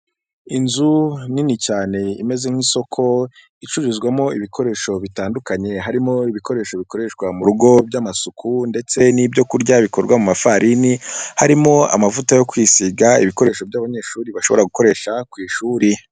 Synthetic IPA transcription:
inzuninicaːne̞ime̞ze̞ŋ̥hiːso̞kʰo̞ | it͡ʃuɾizɡwamo̞iβikʰo̞ɾe̞ːʃo̞βitaːndukaɲe̞ɦaɾimo̞iβiko̞ɾe̞ːʃo̞βiko̞ɾe̞ʃɡwamuɾuɡo̞bɟamasukʰunde̞t͡se̞niːbɟo̞kuɾɟaβiko̞ɾɡwamumafaɾʔinihaɾimo̞a̰mavutajo̞kwiːsiɡaḭβiko̞ɾe̞ːʃo̞bɟaːβaɲe̞ːʃuːɾiβaʃo̞βo̞ɾaɡuko̞ɾe̞ːʃakwiːʃuːɾi

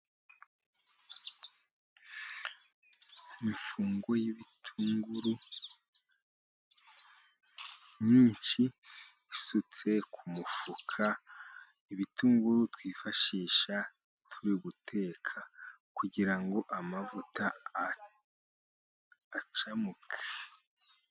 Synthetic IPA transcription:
iɱfuːŋɡo̞jiβitʰuːŋɡuɾu | ɲiːnt͡ʃi | isut͡se̞kʰumufukʰa | iβitʰuːŋɡuɾutwiːfaʃiːʃa | tʰuɾiuβutʰe̞ːkʰa | kuɟiɾaŋɡo̞ʔamavuta | t͡ʃamukʰe̥

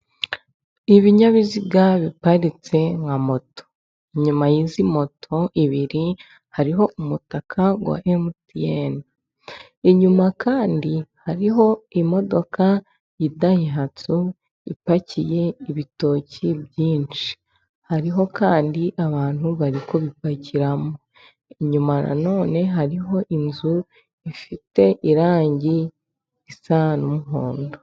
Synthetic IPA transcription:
iβiɲaβiziɡaβipaɾit͡se̞ŋɡamo̞to̥ | ɲumajiːzimo̞tʰo̞ʔiβiɾi | haɾiɦo̞umutakʰaɡwa̰ʔemtijen | iɲumakʰaːndihaɾiɦo̞imo̞do̞ka | jidahiɦatu | ipacije̞iβito̞ːcibjiːnt͡ʃi̥ | haɾiɦo̞kaːndiʔaβaːn̥huβaɾiko̞βipacʰiɾamo | iɲumana̰no̞ːne̞ɦaɾiɦo̞ʔinzu | ifite̞ʔiɾaːɲɟi | isanumuɦoːndo

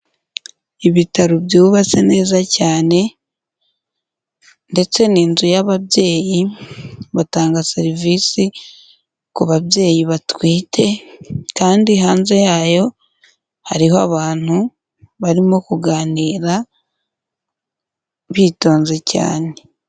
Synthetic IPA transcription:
iβitaɾubjuːβase̞ne̞ːzacaːne̞ | nde̞t͡se̞niːnzujaβabje̞ːji | βataːŋɡase̞ɾiviːsi | kuβaβje̞ːjiβatwiːtʰe̞kaːndiɦaːnze̞jaːjo̞ | haɾiɦoaβaːn̥hu | βaɾimo̞kuɡaːniːɾa | βito̞ːnze̞ca̰ːne̞

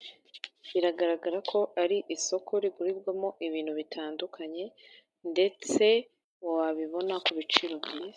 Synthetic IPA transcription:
βiɾaɡaɾaɡaɾakʰo̞ʔaɾiʔiso̞kʰo̞ɾiɡuɾiβɡwamoʔiβiːn̤̥huβitʰaːndukʰaɲe̞ | nde̞t͡se̞ | wowaβiβo̞nakuβit͡ʃiɾo̞bɟiːza

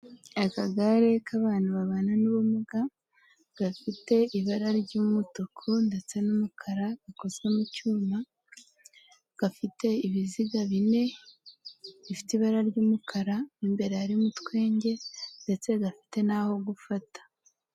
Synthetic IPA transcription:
akaɡaɾe̞kaβaːnuβaβaːnanuβumuɡa | ɡ̥afite̞iβaɾaɾɟuːmutokʰonde̞t͡se̞numukʰaɾaɡ̥ako̞zwe̞mucuːma | ɡ̥afite̞iβiziɡaβine̞ | βifi̥tiβaɾaɾɟuːmukʰaɾaniːmbe̞ɾeaɾimutwe̞ːɲɟe̞nde̞t͡se̞ɡafi̥te̞naho̞ɡufatḁ

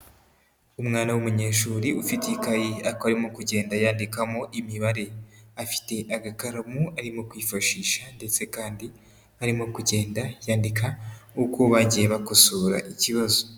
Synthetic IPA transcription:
umŋaːnawumuɲe̞ːʃuːɾiʔufitkajiakoaɾimokuɟe̞ːndajaːndikamoʔimiβaɾe̞afi̥te̞ʔaɡakaɾamuaɾimo̞kwiːfaʃiːʃande̞t͡se̞kaːndi | aɾimo̞kuɟe̞ːndajaːndikʰaukoβaɟijeβakusuːɾa̰ʔiciβazo

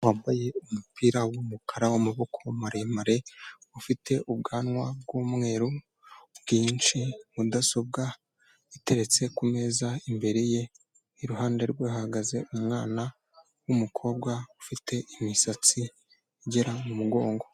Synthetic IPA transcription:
waːmbaje̞umupʰiːɾawumukʰaɾawomuβo̞kʰo̞maɾemaɾe̞ufitʰe̞ʔubɡaːnŋwab̚ɡomŋe̞ːɾu | bɡiːnt͡ʃimudaso̞b̚ɡa | ite̞ɾe̞t͡se̞kume̞zaimbe̞ɾeje̞ | iɾuɦaːnde̞ɾɡwehahaɡaze̞ʔumŋaːna | wumukʰo̞bɡwaufitʰe̞ʔimisat͡si | iɟe̞ɾamumuɡo̞ːŋɡo̞

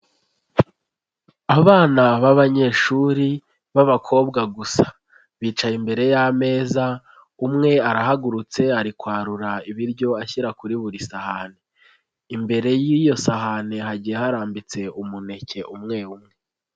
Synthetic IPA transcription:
aβaːnaβaβaɲe̞ʃuɾi | βaβakʰo̞ːbɡaɡusḁ | βiːt͡ʃaimbe̞ɾe̞jame̞ːza | umŋe̞aɾaɦaɡuɾut͡se̞aɾikwaːɾuɾaiβiɾɟo̞açiɾakuɾiβuɾisahane | imbe̞ɾe̞jijo̞sahane̞ɦaɟijehaɾaːmbit͡se̞umune̞ce̞ʔumŋe̞umŋe̞

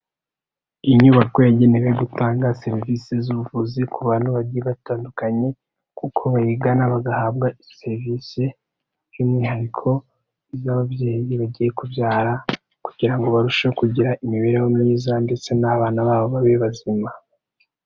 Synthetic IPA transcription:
iɲuːβakwojaɟe̞neweɡutaːŋɡase̞ɾivisezuβuvuzikuβaːnuβaɟijeβataːndukaɲe̞ | kukʰo̞βajiɡanaβaɡahaːbɡaise̞ɾvise | juːmŋiːhaɾikʰo̞ | zaːβaβje̞ːjiβaɟije̞kuvjaːɾa | kuɟiɾaŋɡo̞βaɾuʃakuɟiɾaimiβe̞ɾejomŋiːzande̞t͡se̞naβaːnaβaːβo̞βaβeβazima

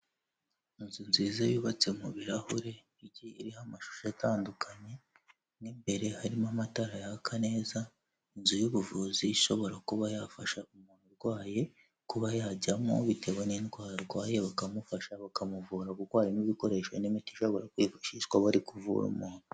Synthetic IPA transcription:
inzunziːzeβiːβat͡semuβiɾahuɾe̞ | iɟiiɾihamaʃu̥ʃajatʰaːndukʰaɲe̞ | nimbe̞ɾe̞haɾimamataɾajakʰane̞ːza | inzujuβuvuːziːʃo̞βo̞ɾakuβajafaʃaumuːn̥uɾɡwaːje̞ | kuβajaːɟamo̰βitʰe̞weninɡwaːɾaɾɡwaːje̞βakamufaʃaβakamuvuːɾaɡuɾɡwaːɾiniβiko̞ɾe̞ːʃanimitiʃo̞βo̞ɾakwiːfaʃiʃɡwaβaɾikuvṵɾṵmuːn̥u

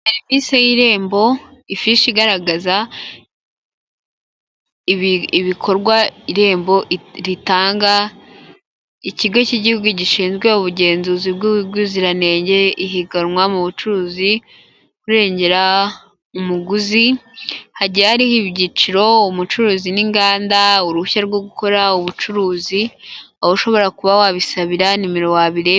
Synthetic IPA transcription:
eɾimisejiɾe̞ːmbo̞ifiʃiɡaɾaɡaza | iβiβikʰo̞ɾɡwaiɾe̞ːmbo̞ʔɾitaːŋɡa | iciɡo̞ciɟihuɡuɟiʃiːnzɡwe̞uβuɟe̞ːnzuziβɡuɡuziɾane̞ːɲɟe̞iɦiɡanŋwamuβut͡ʃuɾuːzi | kuɾe̞ːɲɟe̞ɾa | umuɡuzihaɟijahaɾihiβɟit͡ʃiɾo̞umut͡ʃuɾuːziniŋɡaːndauɾuuçaɾɡwoɡuko̞ɾauβut͡ʃuɾuːzi | awoʃo̞βo̞ɾakuβawaβisaβiɾanimiɾo̞waβiɾe

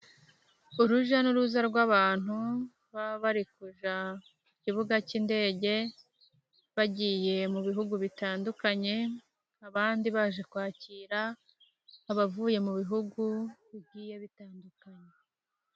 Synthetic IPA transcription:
uɾuʒanuɾuzaɾɡwaβaːn̥hu | βaβaɾikuʒa | iciβuɡaciːnde̞ːɟe̞ | βaɟiːje̞muβiɦuɡuβitaːndukaɲe̞ | aβaːndiβaʒe̞kwaːciɾa | aβavuje̞muβiɦuɡuβibɟiːje̞βitaːndukaɲe̞

